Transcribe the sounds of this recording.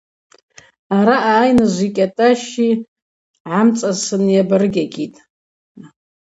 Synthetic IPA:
aɾaʔaːjnɨʒʷikʲʼatʼaʃi | ʕamt͡sʼasɨnjabaɾɨɡʲaɡʲʼitʼ

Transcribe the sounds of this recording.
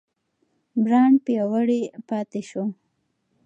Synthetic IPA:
bɾɑɳɖpjɑwəɽepɑt̪eʃo

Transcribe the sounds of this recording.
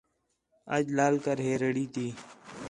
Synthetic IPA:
ə̰ːd͡ʒlaːlkəɾɦeːɾəɽiːt̪iː

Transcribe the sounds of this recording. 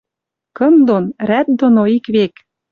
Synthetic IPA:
kɤ̆nd̪onɾæt̪̚d̪onoikβek

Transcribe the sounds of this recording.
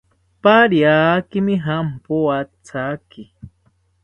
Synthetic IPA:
paɾjakimiɦampoat͡sʰaki

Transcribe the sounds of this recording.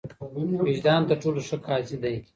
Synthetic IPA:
nɪd͡ʒd̪ɑːnt̪əɾʈoloʂəkʰɑzid̪aj

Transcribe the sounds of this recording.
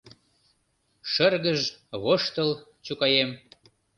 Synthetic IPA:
ʃərɣəʒβoʃt̪əlt͡ɕukɑjem

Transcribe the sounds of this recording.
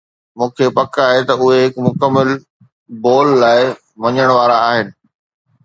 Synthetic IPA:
mũːkʰepɐkaːɦet̪ɐʊɦeɦɪkmʊkəmːɪl | boːlːaːɪ | ʋɐɲəɽ̃ʋaːɾaaːɦɪnɪ̆

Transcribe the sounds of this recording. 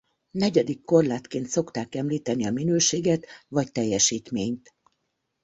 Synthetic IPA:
nɛɟɛd̪ikːo̞rlaːt̪keːnt̪so̞kt̪aːkɛmliːt̪ɛniɒminøːʃeːɡɛt̪ʋɒct̪ɛjːɛʃiːt̪meːɲt̪

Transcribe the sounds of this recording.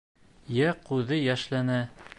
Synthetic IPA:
jæqʉðɤjæʃlænæ

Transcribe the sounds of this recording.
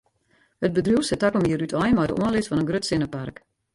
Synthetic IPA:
hət̚bədrjuwsətakɔmiərytʰɔjnmɔdə̰ʔoənlɪsfɔnənɡrøtsɪnəpark

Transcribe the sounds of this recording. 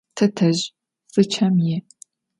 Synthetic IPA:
tʰɐtʰɐʑ | sɨt͡ʃʰɐmjɪ

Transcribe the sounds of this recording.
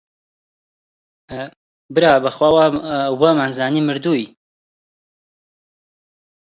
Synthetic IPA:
bɨɾaːbɐxwaːwawɐmanzaːnimɨɾd̪uj

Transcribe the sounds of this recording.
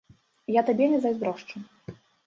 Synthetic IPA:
jat̪abʲɛnʲɛzajzb̪ɾɔʂt͡ʂu

